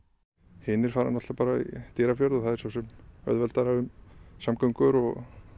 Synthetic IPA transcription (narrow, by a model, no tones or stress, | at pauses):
hɪnɪɾ̥faːɾa̰nat̪apaːɾaḭt̪ɛɾafjœɾðɔθaðɛ̥ɾsɔsɛmœ̰ðvɛlt̪aɾaʏmsamkœŋkʏɾɔɣ